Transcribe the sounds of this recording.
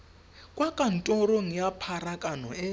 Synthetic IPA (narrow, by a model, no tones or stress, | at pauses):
kʼwakʼan̩tʼɔɾoŋijapʰaɾakʼanɔ̰ɛ